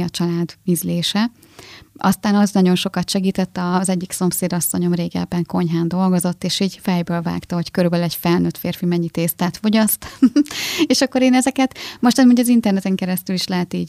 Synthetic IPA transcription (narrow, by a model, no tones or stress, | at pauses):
ɒt͡ʃɒlaːd̪mizleːʃɛ | ʔɒ̰st̪aːnɒznɒɟo̞nʃo̞kɒt̪ʃɛɡiːt̪ɛt̪ːɒzɛɟːikso̞mseːd̪ɒsːo̞ɲo̞mreːɡɛ̰lbɛŋko̞ɲɦaːnd̪o̞lɡo̞zo̞t̪ːeːʃiːɟfɛjbøːlva̰ːkt̪ɒɦo̞ckøɾybɛlyɛcfɛlnøt̪feːrfimɛɲːit̪eːst̪aːt̪fo̞ɟɒst̪ɒ̥meːʃɒkːo̞ɾeːnɛzɛkɛt̪mo̞ʃt̪ɛmoɲɟɒzint̪ɛrnɛt̪ɛŋkɛɾɛst̪yliʃlɛɦɛt̪iːɟ